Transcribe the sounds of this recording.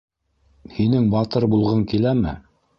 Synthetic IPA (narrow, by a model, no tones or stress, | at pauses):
hinɘŋbɑt̪ɤɾbulˠʁɤŋkilæmɘ̰